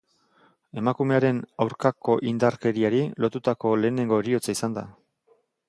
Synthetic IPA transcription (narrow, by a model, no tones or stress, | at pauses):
e̞makume̞aɾe̞nawɾkako̞ʔind̪aɾke̞ɾiaɾilo̞t̪ut̪ako̞le̞ːne̞ŋɡo̞eɾio̞t͡saisand̪a̰